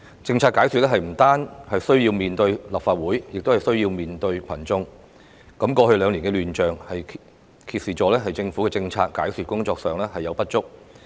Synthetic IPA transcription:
t͡sɪ˧ŋt͡sʰaː˧t̚kaː˨˥jsy˨t̚lɛː˥ɦɐ˨jm̩˨˩t̪aː˥nhɐ˨jsɵ˥ɥjiː˧wmiː˨nt̪ɵ˧ɥlɐ˨p̚faː˧t̚wuː˨˥jjɪ˨k̚t̪o˥whɐ˨jsɵ˥ɥjiː˧wmiː˨nt̪ɵ˧ɥkʰɐ˨˩nt͡sʊ˧ŋ | kɐ˨˥mkɔː˧hɵ˧lœː˨˧ŋliː˨˩ŋkɛ˧lyː˨nt͡ʃœː˨˩ŋhɐ˨j | kʰiː˧t̚siː˨˩t͡ʃɔː˨˧lɛː˥ɦɐ˨jt͡sɪ˧ŋfuː˨˥kɛː˧t͡sɪ˧ŋt͡sʰaː˧t̚kːaː˨˥jsyː˨t̚kʊ˥ŋt͡sɔː˧k̚sœː˨ŋlɛː˥hɐ˨jːɐ˨˧wpɐ˥t̚t͡ʃʊ˥k̚

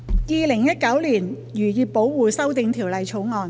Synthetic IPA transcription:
jiː˨lɪ˨˩ŋjɐ˥t̚kɐ˨˥wliː˨˩n | jyː˨˩jiː˨˧pːo˨˥wwuː˨˧sɐ˥wt̪ɪ˨˧ŋt̪ʰiː˨˩wlɐ˨˧jt͡ʃʰo˨˥wŋɔː˨˧n

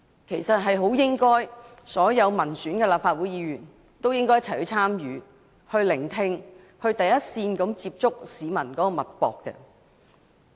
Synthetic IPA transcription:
kʰe˨˩jsɐ˨t̚ɦɐ˨jɦo˨˥wjɪ˥ŋkɔː˥jsɔː˨˥jɐ˨˧wmɐ˨˩nsyː˨˥nkɛː˧laː˨pfaː˧t̚wu˨˥jiː˨˧jyː˨˩n | t̪o˥wjɪ˥ŋkɔː˥jɐ˥t͡sʰjhɵ˧ɥt͡sʰaː˥mjyː˨˧ | hɵ˧ɥlɪ˨˩ŋt̪ʰɪ˧ŋ | hɵ˧ɥt̪ɐ˨jɐ˥t̚siː˧nkɐ˨˥mt͡siː˧p̚t͡sʊ˥k̚siː˨˥mɐ˨˩nkɔː˨˥kɔː˧mɐ˨t̚pɔ̰ː˨kːɛ̰ː˧

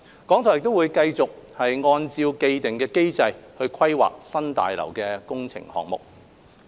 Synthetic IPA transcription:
kɔː˨˥ŋt̪ʰɔ˨˩jɪ˨k̚t̪o˥wu˨˧jkɐ˧jt͡sʊ˨k̚hɐ˨jŋɔː˧nt͡siː˧wke˧jt̪ɪ˨ŋkɛː˧ke˥jt͡sɐ˧jhɵ˧ɥkʰwɐ˥jwa̰ː˨k̚sɐ˥nt̪a̰ː˨jlɐ̰˨˩wkɛː˧kʊ˥ŋt͡sʰɪ̰˨˩ŋhɔ̰ː˨k̚mʊ̰˨k̚

